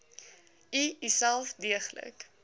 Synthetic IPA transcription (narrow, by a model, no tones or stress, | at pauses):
iisælˠfdiəχlə̰k